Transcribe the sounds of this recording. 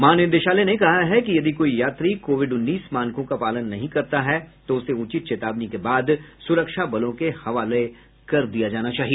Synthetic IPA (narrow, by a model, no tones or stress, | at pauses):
maːnɪnd̪eʃaːlenekɐɦaɦɛkijɐd̪ʱikoːijaːt̪ɾikoːʋɪɖʊnːiːsmaːnkõkapaːlənːɐɦĩkɐɾt̪aɦɛt̪oʊseʊt͡ʃɪt̪̚t͡ʃeːt̪aːbnikebaːd̪sʊɾəkʃabɐlõkehɐʋaːle | kɐɾd̪ijad͡ʒaːnat͡ʃaːɦie